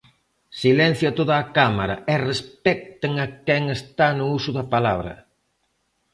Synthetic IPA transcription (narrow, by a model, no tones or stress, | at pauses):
silɛn̟θjʊat̪oðɐːkamaɾɐ̰ɛrespɛk̚t̪eŋɐkɛŋest̪anʊusʊðɐpalaβɾɐ̰